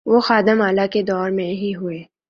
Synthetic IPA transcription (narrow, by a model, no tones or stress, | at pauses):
ʋoxaːd̪ɪmaːlaked̪ɔːɾmẽɦiɦʊeː